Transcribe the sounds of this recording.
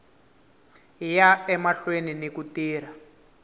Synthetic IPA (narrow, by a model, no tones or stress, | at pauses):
ɦijaɛmaɬweninekutiːra